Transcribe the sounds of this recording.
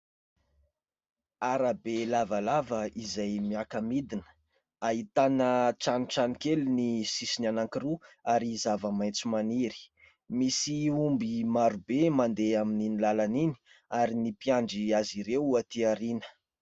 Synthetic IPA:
aɾabelavalavəizajmiakəmid̪inə̥ | aɦit̪anəʈ͡ʂaniʈ͡ʂanikelunisisinanaŋkiɾuaɾizavəmajt͡simaniɾi̥ | misiumbimaɾubemand̪eamininilalanini̥ | aɾinipiaɳɖ͡ʐiaziɾewuat̪iaɾinə̥

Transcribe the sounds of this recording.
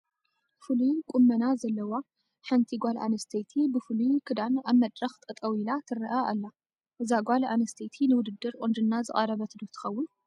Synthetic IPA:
fɨlukʼumːɐnazɐlːɐwa | ħant̪ʰiɡʷalʔa̰nɐst̪ʰet̪ʰibɨfɨlukʰɨd̪anaβmɐd̪ʼɾɐxt̪ʼɨt̪ʼɐwilat̪ʰɨɾɐʔaʔa̰lːa | ʔɨzaɡʷalanɐst̪ʰet̪ʰinɨwʊd̪ɨd̪ːɨɾqʼond̪ɨnːazɨχʼɐɾɐβɐt̪ʰɨd̪ut̪ʰɨ̥xɐwːʊn

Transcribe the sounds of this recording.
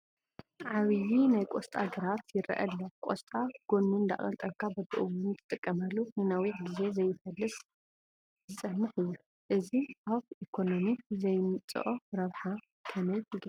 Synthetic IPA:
ʕaβɨjinajkʷʼost̪ʼa̰ɡɐɾat̪jɪɾʔɐ̰ʔɐ̰lːɐkʷʼost̪ʼaɡ̥onːund̪a̰χʼɐ̰lt̪ʼɐβkʰabɐd̪ɨʔɨwʊnt̪ʰɨ̥t̪ʼɨkʼːɐmɐlːuhɨnawiɡize̞zɐjːɪfɐlːɨs | zɨsʼɐmːɨħɨjːu | ʔɨziʔaβʔikʰo̞nomizɐjmɨt͡sʼːɨ̰ʔoɾɐβħa | kʰɐmɐjɨɡ

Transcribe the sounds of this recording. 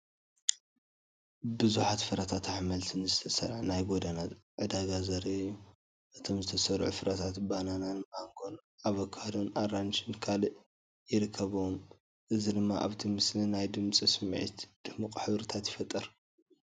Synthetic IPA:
bɨzuħat̪fɨɾat̪ʰat̪aħmɐlt̪ʰɨnzɨt̪ʰɐsɐɾʕnajɡod̪anat̪ʕɨd̪aɡazɐɾeu | ʔɨt̪ʰo̞mzɨt̪ʰɐsɐɾʕṵfɨɾʔat̪ʰat̪banananmʔaŋkʰo̞n | ʔaβɐkʰːad̪onʔaɾant͡ʃɨnkʰalʔ | jɪɾɨkʰːɐβuwom | ʔɨzid̪ɨmːaʔa̰βt̪ʰimɨslinajd̪ɨmt͡sʼisɨmʕḭt̪d̪̥ɨmɨkʼħɨβɾɨt̪ʰat̪jɪfɐt̪ʼːɐɾ

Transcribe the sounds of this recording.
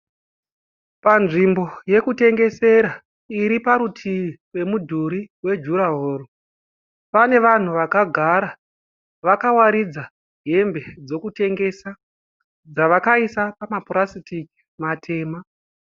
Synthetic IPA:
panʐimbo̞je̞kute̞ŋɡe̞se̞ɾa | iɾipaɾutʰiwe̞mudʱuɾiwe̞d͡ʒuɾaɦoːro | pane̞ʋan̤uʋakaɡʱaɾa | ʋakawaɾid͡za | ɦe̞mbe̞d͡zo̞kute̞ŋɡe̞sa | d͡zaʋakaisapamapuɾasitiki̥ | matʰe̞ːma

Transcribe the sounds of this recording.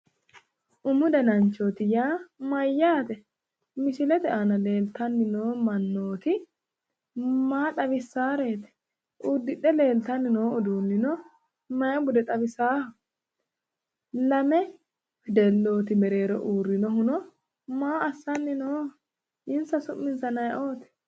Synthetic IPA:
ʔʊmʊd̪ɐnɐnt͡ʃːoːt̪ɪjaːmɐjːaːt̪ɛ | mɪʃɪlɛt̪ɛʔanɐle̞ːlt̪ɐnːɪnoːmɐnːo̞ːt̪ɪ | maːt̪ɐβɪsːaːɾe̞ːt̪ɛ̥ | ʔuːd̪ːɪɗɛle̞ːlt̪ɐnːɪnoːʊd̪uːnːɪnɔ | mɐjɐbʊd̪ɛt̪ʼɐβɪsaːhɐ | lɐmɛ | hɛd̪ɛlːo̞ːt̪ɪmɛɾe̞ːɾɔ̰ʔuːrːɪnɔhʊnɔ | maːɐsːɐnːɪnoː | ʔɪnsɐsʊmːɪnsɐnɐjʔo̞ːt̪ɛ̥

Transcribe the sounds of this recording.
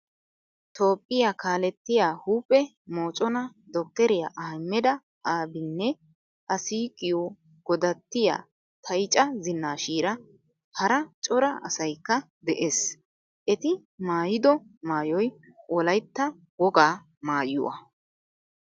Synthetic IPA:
t̪o̞ːpʼːɪjaːkaːlɛt̪ːɪjaːhuːpʼːɛ | mo̞ːt͡ʃʼɔnɐ | d̪ɔkːɛɾɪjaːʔaːmːɛd̪ɐ | ʔaːbɪnːɛ | ʔɐsiːkʼɪjo | ɡ̥ɔd̪ɐt̪ːɪja̰ː | t̪ʰɐjt͡ʃʼɐzɪnːaːʃiːɾɐ | hɐɾɐt͡ʃʼɔɾɐʔɐsɐjkːɐ | d̪ɛʔeːs | ʔɛt̪ɪ | maːjɪd̪ɔmaːjɔj | ʔɔlɐjt̪ːɐ | wɔɡaː | maːjʊ̰wɐ̰

